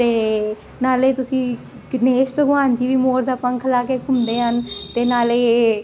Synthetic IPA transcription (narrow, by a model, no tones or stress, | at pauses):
t̪eː | naːleːt̪ʊsĩː | neːspɾəɡʋaːnt̪iːʋiːmoːɾzaːpãːkʰəlaːkeːkʰʊmd̪eːɦənt̪eːnaːleː